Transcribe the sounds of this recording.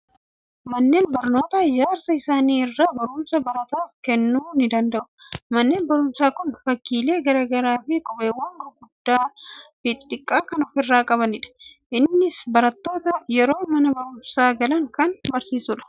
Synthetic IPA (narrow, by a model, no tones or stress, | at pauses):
mɐnːe̞ːnbɐɾno̞ːt̪ɐd͡ʒaːɾsɐɪsaːniːɪrːaːbɐɾʊmsɐbɐɾɐt̪aːfkɛnːuːnɪd̪ɐnd̪ɐʔʊ̥mɐnːe̞ːnbɐɾʊmsaːkʊnfɐkːiːle̞ːɡɐɾɐːɡɐɾaːfɪkʼɔbeːwɐŋɡɔɡʊd̪ːaːfɪt̪t̪ʼɪkʼːaːkɐnɔfɪrːaːkʼɐβɐnɪᶑɐ̥ʔɪnːɪsbɐɾɐt̪ːo̞ːt̪ɐjɛɾo̞ːmɐnɐbɐɾʊmsaːɡɐlɐŋkɐnbɐɾsiːsʊᶑɐ̥